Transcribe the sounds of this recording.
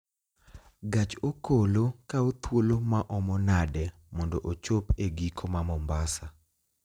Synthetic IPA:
ɡat͡ʃokolokaot̪wolomaʔɔmɔnadɛ | mɔndoʔot͡ʃopeɡikʰomamɔmbasa

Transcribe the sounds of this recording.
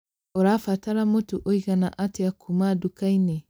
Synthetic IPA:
oɾafataɾamotuʔoiɡanaʔateakʰumadukaine

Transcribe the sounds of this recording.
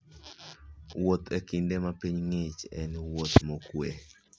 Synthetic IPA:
wot̪ʰekindemapiɲŋɪt͡ʃɛnwot̪mokwe

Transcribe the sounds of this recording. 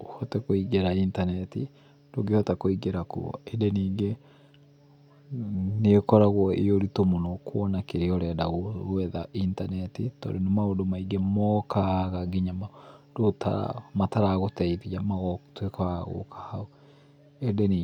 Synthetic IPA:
hɔtɛkoiɡeɾaintanɛti | d̥oɡehɔtakoiɡeɾakṵɔ̰edeniːɡe | nekɔɾaɣwɔḛjoɾitomonɔkwɔnakeɾeɔɾɛdaɣoɛðaʔintanɛtitɔ̰ɾonemaodomaiɡemɔkaɣaɡiɲamadota̰mataɾaɣotɛivijamaɣɔtwekɔaɣo̰kʰḁhao | edeni

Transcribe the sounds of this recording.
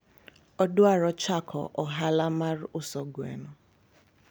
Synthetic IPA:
ɔdʊaɾɔt͡ʃakʰɔ̰ʔɔɦalamaɾʊsɔɡḛnɔ

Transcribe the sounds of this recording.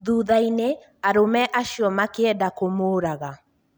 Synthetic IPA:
ðuːðaine | aɾomɛʔaʃiɔmakeɛdakomoːɾaɣa

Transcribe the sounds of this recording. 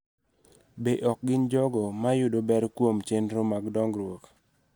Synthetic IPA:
beʔɔk̚ɡɪɲd͡ʒɔɡɔmajʊdobɛɾkwomt͡ʃendɾomaɡdɔŋɡɾwok

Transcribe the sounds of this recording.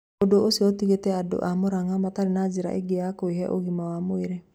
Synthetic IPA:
odooseotiɣetɛado̰ʔamoɾaŋamataɾenad͡ʒiɾa̰ʔḛɡeakoiɦɛʔo̰ɣimawamoeɾe

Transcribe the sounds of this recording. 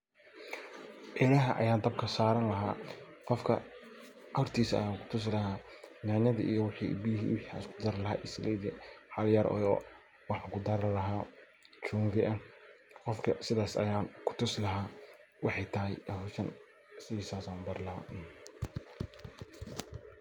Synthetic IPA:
ʔɛɾɐɦɐʔɐ̰jaːnd̪ɐb̚kʰɐsaːɾɐnlɐɦaː | qɔfkʰɐ̰ | ʔɐrt̪ʰiːsɐ̰jaːkʰʊ̥t̪ʰʊs̬lɐɦaːnaːnɐðɐ̰ʔijɔwɪħḭːbijɦiːwɪħia̰skʰʊd̪ɐɾlɐɦa̰ːʔɪslɛðɛħɑljɐɾʔɔ̰jɔ | wɑħɑŋkʰʊd̪ɐɾlɐɦaː | t͡ʃuːnvɪʔɐnqɔfkʰɐsɪðaːsɐ̰jaːnkʰʊ̥t̪ʰʊslɐɦaː | wɑħɑjt̪ʰɐɦɛjɐʃɐn | sɪiːsaːsaːnbɐɾlɐɦa̰ːʔn

